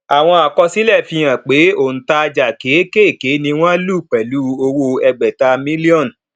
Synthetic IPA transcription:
a˨w̃ɔ̃˧a˨kɔ˧si˨˦lɛ˦˨fĩ˧j̃ã˨k͡pe˨˦o˦˨n̩˨ta˧d͡ʒa˨ke˨˦ke˦˨ke˨˦nĩ˧w̃ɔ̃˦lu˦˨k͡pɛ˨lu˨˦o˧wo˧ɛ˧ɡ͡bɛ˨ta˧mĩ˦li˦ɔ̃˦˨n˨

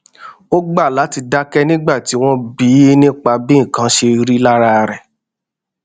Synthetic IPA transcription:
o˦ɡ͡ba˦˨la˨˦ti˧da˦kɛ˦nĩ˦ɡ͡ba˦˨ti˨˦w̃ɔ̃˦bi˨˦nĩ˦k͡pa˧bĩ˦˨kã˨˦ʃe˧ɾi˦la˦ɾa˦˧ɾɛ˨

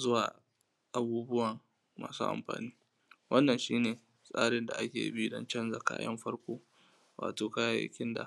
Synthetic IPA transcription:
zʊ˦waː˨ | ʔa˨buː˦bʊ˦wɐ˨ŋ | ma̰ː˨sṵː˦ʔa̰˨mɸa̰ː˨niː˦ | wʔɐ˦nːɐ˨nʃiː˦neː˨ | sʼaː˦ɽɪ˨nda˨ʔa˦kʲeː˨ji˦bi˦dɔ̰˦nt͡ʃɛ˦nza˨ka̰ː˦jɐ̰˦mɸɐ˦rkʷoː˦ | wa̰ː˨toː˨kaː˦ja˦ja̰˦kʲɪ˦nda̰˨

